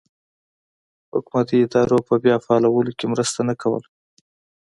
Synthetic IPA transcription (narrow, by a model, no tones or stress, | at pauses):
hʊkmat̪iɪd̪ɑɾopəbjɑfaːlawəlokemɾəst̪anakawə̰la